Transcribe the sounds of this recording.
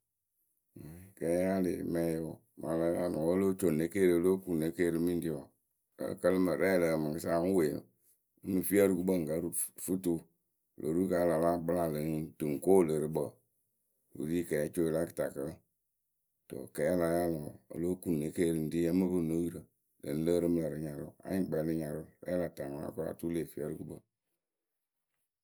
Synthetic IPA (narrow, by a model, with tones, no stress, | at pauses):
ma˨kɛ˨˦ja˦le˨mɛ̃˨˦jo˨˦˨ | ma˨la˧˦ja˦lɔ˨ə˦lo˦t͡ʃo˨ne˦ke˦˨ɾɨ˨ə˦lo˦ku˨ne˨˦ke˦˨ɾɨ˧mĩ˦n˦di˦a˨ | ə̰˨˦˨kə˦lɨ˦mə˨ɾɛ˦˨lə˨mə˨ŋkɨ˦sa˦˨ŋ˦we˨nɨ̰˨ | ɨ˦nu˨fi˦ə˦ɾɨ˦ku˦ɓə˦˨ŋ̩˨ka˦ɾu˦fu˦tu˦˨ | lʔo˨ɾu˦ka˨˦la˨la˦bɨ˦la˦lɨ˨ŋ˦dɨ˨ŋ˨ko˦˨lə˨ɾɨ˦bə˨ | ṵ˨ɾi˦kɛ˨ɛ˨˦t͡ʃo˦˨la˦kə̥˨ta˨kə˨l | to̰˨kɛ˨˦la˨˦ja˦lɔ˨ə̰˨lo˦ku˨nː˨e˨˦ke˦˨ɾɨ˨n̩˨di˦a˦mə˦bɨ˦˨no˦ji˦ɾə˨ | lə̰˨n̩˦lə˦ɾɨ˦mɨ˦lə˨ɾɨ˨ɲa˨ɾṵ˦a̰˨˦ɲi˦˨ɡ͡bɛ˨˦lɨ˦ɲa˨ɾu˦ɾɛ̰˦la˨ta˨ŋ˨˦a̰˦ko˦a̰˨tu˦le˨fi˦ə˦ɾu˦ku˦bə̰˨